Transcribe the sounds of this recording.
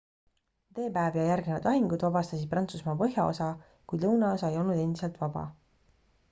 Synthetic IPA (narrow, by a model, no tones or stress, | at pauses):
t̪e̞ːpæevjɑjærɡnevɑd̪ɑɦiŋɡud̪vɑbɑst̪ɑsi̥prɑnt̪susmɑpɤɦjɑo̰sɑ | kujd̪lɤwnɑo̞sɑe̞jo̞lnud̪e̞nd̪iselt̪vɑb̥ɑ̰